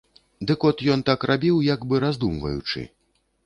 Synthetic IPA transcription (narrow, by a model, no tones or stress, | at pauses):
d̪ɨkɔt̪jɔnt̪akrʔabʲiwjaɡbɨɾazd̪umvɐ̰jut͡ʂɨ̰